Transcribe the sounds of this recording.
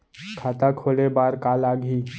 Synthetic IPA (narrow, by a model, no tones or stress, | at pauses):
kʰaːt̪akʰoːlebaːɾkaːlaːɡiː